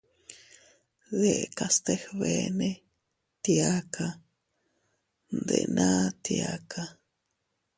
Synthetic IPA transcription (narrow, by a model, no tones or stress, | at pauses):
ðeʔkast̪exβene | t̪iakʰa | nd̪ḛnʔat̪iakʰa